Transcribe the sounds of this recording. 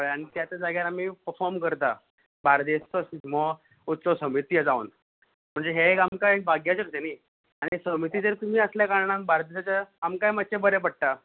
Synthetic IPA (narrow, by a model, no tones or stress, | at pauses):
ɭaɽ̃it̪jat̪ad͡zaɡjaɾam̤ipəɾfɔɾmkəɾt̪a | baɾd̪est͡sɔsismɔ | ut̪ːt͡sɔsəmit̪iəd͡zaṵn | m̤əɳd͡zeɦekamkajk̚bʱaɡjat͡ɕəɾt̪enai | aɽ̃isəmit̪iːd͡zəɾt̪um̤iːəsljakaɾɳãmbaɾd̪esat͡ɕaamkajmat̪̚t͡ɕebəɾepəɽ̚ʈ̪a